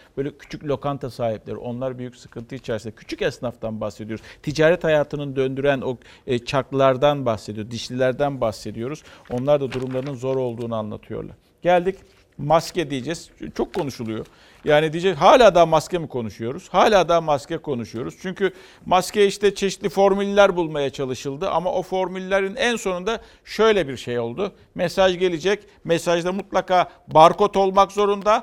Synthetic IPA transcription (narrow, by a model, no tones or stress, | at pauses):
bøjlʲɛcʰy̥t͡ʃʰycʲlʲo̞kant̪ʰasaːɦiplʲeɾḭʔo̞nlˠaɾbyjycʲsɯ̥kʰɯnt̪ʰɯit͡ʃʰaɾsnacʰy̥t͡ʃʰycɛsnaft̪ʰanbaxse̞d̪ioɾuzt̪ʰid͡ʒaːɾɛt̪hajaːt̪ʰɯnɯnd̪ø̞nd̪yɾæno̞ | t͡ʃʰaklˠaɾd̪anbaxse̞d̪ijoɾd̪iʃlʲilʲæɾd̪ænbaxse̞d̪ijo̞ɾuz̥o̞nlˠaɾd̪ad̪uɾumlˠaɾɯnɯnzo̞ɾo̞lˠd̪uːnuanlˠa̰t̪ʰɯjo̰ɾlˠa̰ɾ | ɟælʲd̪ic | mascɛd̪ijed͡ʒɛz̥t͡ʃʰo̞kʰːo̞nuʃulˠujo̞ | jaːnid̪ijd͡ʒɛzɦaːlʲaːd̪amascɛmikʰo̞nuʃujo̞ɾuz̥haːlʲaːd̪amascɛkʰo̞nuʃujo̞ɾuz̥t͡ʃʰyɲcʰy | masceiʃt̪ɛt͡ʃʰe̞ʃit̪lʲifo̞ɾmylʲlʲæɾbulˠmajat͡ʃʰalˠɯʃɯlˠd̪ɯʔa̰ma̰ʔo̞fo̞ɾmylʲːlʲeɾinænso̞nund̪a | ʃø̞jlʲɛbiɾʃejo̞lˠd̪u | mesaʒɟe̞lʲid͡ʒɛc | mɛsaʒd̪amut̪lˠakaː | baɾko̞t̪o̞lˠmakzo̞ɾund̪a